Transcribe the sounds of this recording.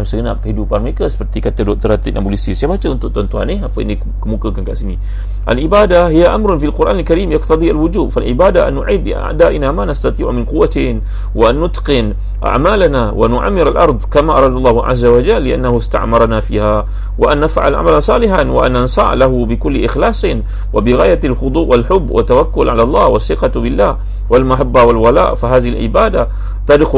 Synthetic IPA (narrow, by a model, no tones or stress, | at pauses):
amsəɡəna̰ʔ̚kəhidupanməɾekasə̥pərt̪ikat̪ədɔk̚t̪əɾat̪inʔa̰mbulisisajabat͡ʃəʔunt̪ʊʔ̚t̪ont̪uha̰nihapəni | kəmukəkankaʔsini | ʔa̰lʕɪbaːdahijaʔamɾʊnfilqʊɾʔaːnalkaɾiːmjɑqt̪ɑd̪ˤiʔalwʊd͡ʒuːbfalʕɪbaːdaʔa̰nːʊʕid̪ʔa̰ʕd̪aːʔɪnamanast̪at̪ˤiːʕmɪnqʊwːat̪ɪn | waʔanːʊt̪qɪn | ʔa̰ʕmaːlanawʔanʊʕa̰mːɪɾalʔɑ̰ɾˤd̪ˤkamaʔɑ̰ɾˤɑːd̪ɑlˤːɑːhʕa̰zːawad͡ʒalːɪʔa̰nːahʊst̪a̰ʕmɑɾˤɑnafḭːha | wɪʔanːafʕa̰lʕa̰malansˤɑːlɪħanwɪ̰ʔa̰nːansa̰ːʕlaɦʊbɪkʊlːʔɪxlɑːsˤ | wʔabɪɣaːjalxʊd̪ˤuːʔwalħʊbːwa̰t̪ːawakːʊlʕalalˤːɑ̰ːhwaθːɪqɑbɪlːaː | walmaħabːawɪlwala̰ːʔfaɦaːðɪhɪlʕɪ̰baːd̪a | t̪ɑd̪x